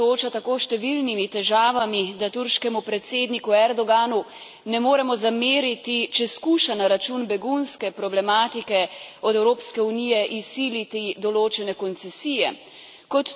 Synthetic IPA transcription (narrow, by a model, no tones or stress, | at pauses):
oːt͡ʃat̪akoːʃt̪ɛʋilnimit̪ɛʒaːʋamid̪at̪uɾʃkɛmupɾɛt̪seːd̪nikuɛɾd̪ɔɡaːnu | nɛmoːɾɛmɔzameːɾit̪it͡ʃɛskuːʃanaɾat͡ʃunbɛɡunskɛpɾɔblɛmaːt̪ikɛɔd̪ɛwɾoːpskɛuniːjɛʔisiːlit̪id̪ɔloːt͡ʃɛnɛkɔnt̪sɛsiːjɛ | kɔt̪